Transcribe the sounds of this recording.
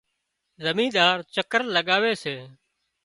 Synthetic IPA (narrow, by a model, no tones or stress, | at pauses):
zəmĩːd̪aːɾt͡ʃəkəɾləɠaːʋeːseː